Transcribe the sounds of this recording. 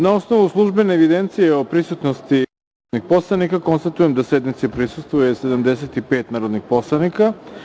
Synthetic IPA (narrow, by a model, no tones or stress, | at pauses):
nao̞sno̞ʋuslˠuʒbeneːʋid̪ent̪sijeopɾisut̪nost̪i | nixpo̞slˠanikako̞nst̪at̪ujemd̪ased̪nit̪sipɾisust̪vujese̞d̪amd̪es̬et̪ipeːt̪naːɾo̞d̪nixpo̞slˠanika